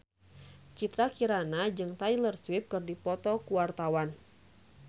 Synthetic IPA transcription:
t͡ʃit̪ɾakiɾanad͡ʒɨŋt̪ajlərswɪp̚kɨrdipɔt̪ɔkuwart̪awan

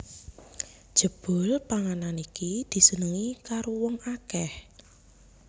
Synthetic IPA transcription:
d̥ʒ̥ə̤b̥ʊ̤lpaŋananikid̪̥i̤sənəŋikaɾowɔŋakɛh

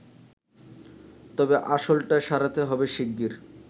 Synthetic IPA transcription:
t̪ɔbeʔaʃolʈaʃaɾat̪eɦɔbeʃiɡːiɾ

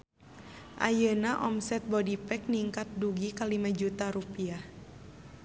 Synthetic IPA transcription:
ʔa̰jənaʔɔmsɛt̪̚bɔdipɛk̚niŋkat̪̚duɡikalimad͡ʒut̪aɾupiah

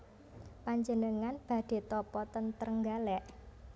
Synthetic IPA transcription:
paɲd͡ʒənəŋanb̥a̤d̥e̤t̪ɔpɔt̪ənt̪ərəŋɡalɛʔ

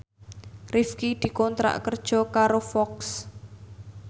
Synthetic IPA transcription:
rifkid̪̥i̤kɔnt̪ɾa̰ʔkərd̥ʒ̥ɔ̤kaɾofɔks

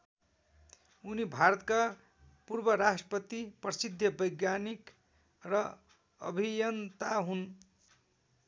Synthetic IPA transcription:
unibʱaɾʌt̪ka | purbʌɾasʈrʌpʌt̪iprʌsid̪ʱːjʌbʌjɡjanik | rʌ | ʌ̰bʱijʌnt̪aɦun

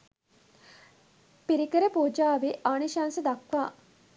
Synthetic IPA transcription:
piɾikəɾəpoːd͡ʒaːʋeʔaːniʃaːnsəd̪akʋaː

